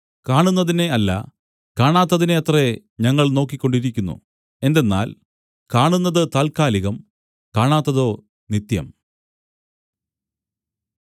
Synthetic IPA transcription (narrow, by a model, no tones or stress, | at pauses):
kaːɳunːɐðine̞ɐlːɐ̰ | kaːɳaːt̪ːɐðineɐt̪re | ɲɐŋːɐɭno̞ːk̬ːikʲːo̞ɳɖiɾikʲːunːṵ | e̞nd̪e̞nːa̰ːl | kaːɳunːɐðɨt̪aːlkaːliɣɐm | kaːɳaːt̪ːɐðo̞ː | nit̪jɐ̰m